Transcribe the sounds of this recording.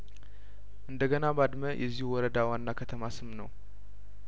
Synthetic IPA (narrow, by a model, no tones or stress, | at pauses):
ʔɨnd̪əɡənabad̪məjʔɛ̰zːihuwɔɾəd̪awanːakʰət̪ʰəmasɨmnəw